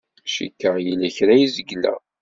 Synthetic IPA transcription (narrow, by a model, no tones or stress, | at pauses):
ʃḭkːəjilæçɾæjizəɡːlæ̰